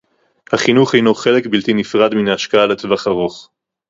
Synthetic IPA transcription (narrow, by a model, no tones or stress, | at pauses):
haχinuχhejnoχe̞le̞kbiltinifʁad̪minaaʃkaaletvaχaʁo̞χ